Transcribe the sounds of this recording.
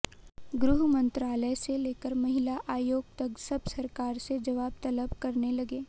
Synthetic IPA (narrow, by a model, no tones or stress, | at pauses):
ɡɾʊɦmɐ̃nt̪ɾaːləjseleːkəɾmɐɦɪlaʔaːjoːɡ̚t̪ɐksɐbsɐɾkaːɾsed͡ʒɐʋaːb̚t̪ɐləbkɐɾnelɐɡeː